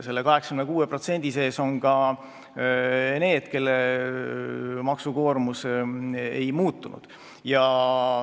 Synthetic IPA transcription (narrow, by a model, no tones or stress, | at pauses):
se̞lːekɑɦeksɑ̥kymnekuːepro̞t̪se̞nʲd̪̥ise̞ːso̞nkɑ | ne̞ːd̪̥ke̞lːe | mɑksuko̞ːrmus | ḛjmuːt̪ˑːunṵd̪̥ | jɑ